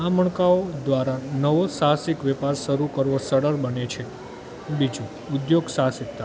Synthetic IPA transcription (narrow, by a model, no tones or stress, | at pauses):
aməɳ̃kaod̪ʋaɾanəʋosaɦsikʋɛpaɾʃəɾukəɾʋosəɽəɾbənet͡ʃʰe | bid͡ʒũ | ud̪joɡsaɦsikt̪ːa